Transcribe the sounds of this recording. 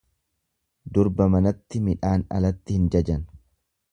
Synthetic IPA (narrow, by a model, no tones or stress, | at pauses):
d̪ʊɾbɐmɐnɐt̪ːɪmɪᶑaːnɐ̰lɐt̪ːɪhɪnd͡ʒɐd͡ʒɐn